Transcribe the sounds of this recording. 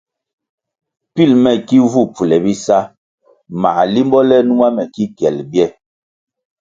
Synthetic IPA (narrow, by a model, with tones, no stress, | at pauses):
pi˦˨lmɛ˨ki˦vu˦pu˨lɛ˨bi˦sa˦ | ma̰˨li˦mbɔ˦lɛ˦nu˦ŋa˦mɛ˨ki˦kjɛ˨lbjɛ˦˨